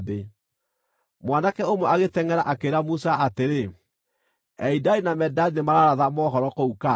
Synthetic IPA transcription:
ðe | mwanakɛomwɛaɣetɛŋɛɾaʔakeɾamusaateɾe | ɛidainamɛdainemaɾaɾaðamɔɦɔɾɔkouka

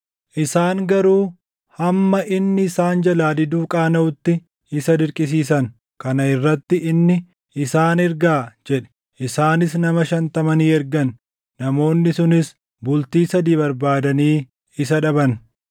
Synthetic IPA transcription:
ʔɪsaːŋɡɐɾuː | hɐmːɐʔɪnːɪːsaːnd͡ʒɐlaːd̪ɪd̪uːkʼaːnɐʊt̪ːɪ | ɪsɐd̪ɪɾkʼɪs̬iːs̬ɐn | kɐnɐɪrːɐt̪ːɪɪnːɪ | ɪsaːnɪɾɡaːd͡ʒɛᶑɛ̥ | ʔɪsaːnɪs̬nɐmɐʃɐnt̪ɐmɐniːɛɾɡɐnː | ɐmo̞ːnːɪsʊnɪs | bʊlt̪iːsɐd̪iːbɐɾbaːd̪ɐniː | ɪs̬ɐᶑɐbɐn

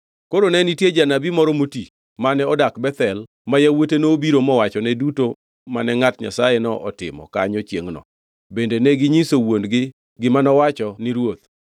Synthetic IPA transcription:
koɾonɛnitjed͡ʒanabimɔɾɔmoti | manɛɔdakbɛt̪ɛl | majawotenoːbiɾomɔwat͡ʃɔnɛduto | manɛŋatɲa̰sajɛnɔʔɔtɪ̰mɔ̰ka̰ɲɔt͡ʃjeŋnɔ̰ | bendenɛɡɪɲisowondɡɪ | ɡɪmanɔwat͡ʃɔnɪɾwot̪̚

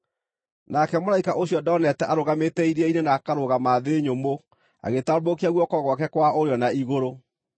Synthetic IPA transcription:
nakɛmoɾaikaʔoɕijɔdɔnɛtɛʔaɾoɣametɛiɾɛinenaːkaɾoɣamaðeɲomo | a̰ɣetaɔbokiaɣwɔkɔɣwakɛkwaʔoɾeɔnaiɣoɾo

